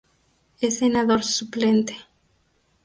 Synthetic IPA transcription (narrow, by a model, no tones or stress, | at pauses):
esenaðoɾsuplent̪e̥